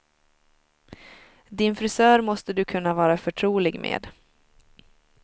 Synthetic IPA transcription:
d̪ɪnfɾʏsœːɾmɔst̪əd̪ɵkʰɵnːavɑːɾafœʈʰɾuːlɪɡmʔḛːd̪

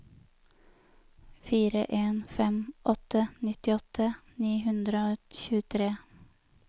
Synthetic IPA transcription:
fiːɾə̰ʔeːnfɛmʔɔt̪ənɪt̪ɪɔt̪ʰəniːhʉnd̪ɾəoːçʉːət̪ʰɾeː

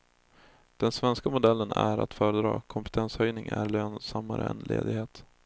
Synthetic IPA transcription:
d̪̥ɛnsvɛnskamʊd̪ɛlːənæɾat̪fœːɾəd̪ɾɑ̰ːkʰɔmpə̥t̪ʰɛnshœjnɪŋæɾɭøːnsamːaɾəɛnlḛːd̪ɪɡheːt̪

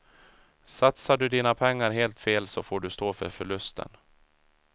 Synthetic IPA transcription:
sat̪saɖɵd̪iːnapʰɛŋːaɾɦeːlt̪feːlsɔfoːɖɵst̪oːfœ̰ɾfœɭɵst̪ʰə̰n

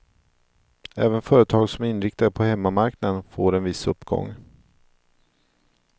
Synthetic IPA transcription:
ɛ̰ːvənfœːɾət̪ʰɑːɡsɔmɪnːɾɪk̚t̪ad̪əpʰɔhɛmːamaɾknad̪ənfoːɾɛnvɪsːɵpːɡ̥ɔ̰ŋː

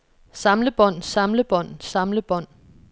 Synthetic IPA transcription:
sɑ̈mləb̥ɒ̽n̰sɑ̈mləb̥ɒ̽n̰sɑ̈mləb̥ɒ̽n̰

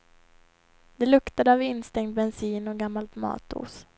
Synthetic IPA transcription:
d̪ɛlɵkt̪ad̪əavɪnːst̪ɛŋt̪̚bɛnsiːnɔɡamːalt̪mɑ̰ːt̪ṵːs

